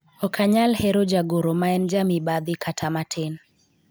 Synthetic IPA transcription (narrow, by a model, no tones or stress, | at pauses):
ɔkʰaɲalhɛɾɔd͡ʒaɡoɾɔmaɛnd͡ʒamibad̪ikʰatʰamatʰen